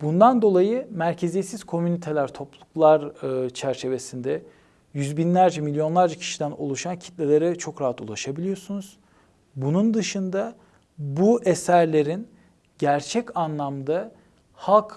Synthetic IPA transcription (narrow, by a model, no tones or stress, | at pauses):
bund̪and̪o̞lˠajɯmæɾcʰe̞zesiz̥kʰo̞mynit̪ʰe̞lʲæɾt̪ʰo̞plˠuklˠaɾɯt͡ʃʰæɾt͡ʃʰe̞ve̞sind̪ɛ | jyzbinlʲæɾd͡ʒɛmilʲjo̞nlˠaɾd͡ʒacʰi̥ʃid̪æno̰lˠuʃancʰi̥t̪lʲelʲe̞ɾɛt͡ʃʰo̞kɾaɦat̪ulˠaʃabilʲijo̞sunuz̥ | bunund̪ɯʃɯnd̪a | buʔesæɾlʲe̞ɾin | ɟæɾt͡ʃʰɛcanlˠamd̪a | halˠk